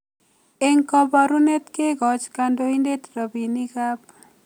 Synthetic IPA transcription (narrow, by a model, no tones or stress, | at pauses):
eŋkɔbaɾunet̪keɡɔd͡ʒkandoindet̪ɾɔbinikap̚